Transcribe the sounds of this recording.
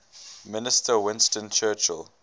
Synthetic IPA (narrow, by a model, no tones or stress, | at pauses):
mɪnɪstəwɪ̃nstə̃nt͡ʃʰɜːt͡ʃə̰l